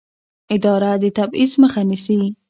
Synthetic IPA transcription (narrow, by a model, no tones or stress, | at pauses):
ɪd̪ɑɾad̪ət̪abizməxanisi